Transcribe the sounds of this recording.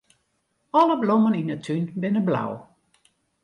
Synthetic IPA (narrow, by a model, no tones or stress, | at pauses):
ɔləbloməninətʰynbɪnəbla̰w